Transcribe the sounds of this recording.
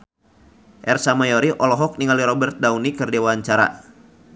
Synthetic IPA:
ʔɛrsamajɔɾiʔɔlɔɦɔk̚niŋaliɾɔbɛrt̪̚daunikɨrdewaːɲt͡ʃaɾa̰

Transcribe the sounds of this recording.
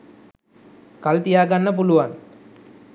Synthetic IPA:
kɐlt̪ijaːɡɐnːɐp̬uluʋan

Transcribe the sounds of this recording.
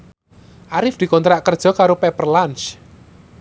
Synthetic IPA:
ʔaɾɪfd̪̥i̤kɔnt̪ɾaʔkərd̥ʒ̥ɔ̤kaɾopɛpərlans

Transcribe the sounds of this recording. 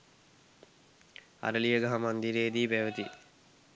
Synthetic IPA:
a̰ɾəlijəɡaɦamand̪iɾeːd̪iːpæʋət̪i

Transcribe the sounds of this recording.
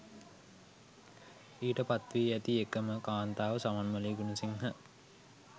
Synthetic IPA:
iːʈəpat̪ʋiːæt̪iekəməkaːnt̪aːʋəsamɐnməliːɡunusiŋɦə

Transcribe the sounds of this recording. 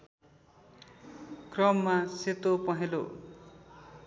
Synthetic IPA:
krʌmːaset̪opʌɦelo

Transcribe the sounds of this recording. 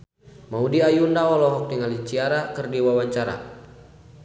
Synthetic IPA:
maudiajundaɔlɔɦɔk̚diŋalit͡ʃiaɾakərdiwawaɲt͡ʃaɾa̰

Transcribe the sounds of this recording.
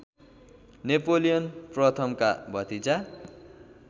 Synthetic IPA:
nepolijʌnprʌt̪ʰʌmkabʱʌt̪it͡sa

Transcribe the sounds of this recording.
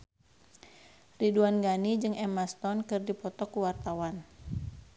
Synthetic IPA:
riduanɡanid͡ʒɨŋɛmast̪ɔnkɨrdipɔt̪ɔkuwart̪awan

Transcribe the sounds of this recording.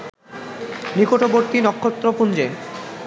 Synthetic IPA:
nikoʈoboɾt̪inɔkʰːot̪ːɾopund͡ʑe

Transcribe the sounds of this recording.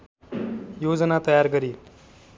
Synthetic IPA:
joːd͡zənat̪ʌjaɾɡəɾiː

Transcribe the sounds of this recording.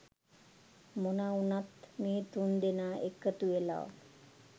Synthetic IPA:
monaunat̪meːt̪und̪enaːʔekət̪uʋela̰ʋ̰

